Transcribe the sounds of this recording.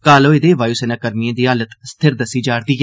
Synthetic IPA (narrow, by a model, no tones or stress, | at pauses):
kaːloːɪd̪eːʋaːjuːseːnaːkəɾmɪẽːd̪iːɦaːlət̪st̪ʰɪɾd̪əsiːd͡ʒaːɽd̪iː